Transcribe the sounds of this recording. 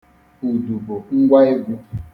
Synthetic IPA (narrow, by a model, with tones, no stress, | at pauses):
u˨du˨bo˨ŋ̩˦ɡʷa˦e˦ɡʷu˦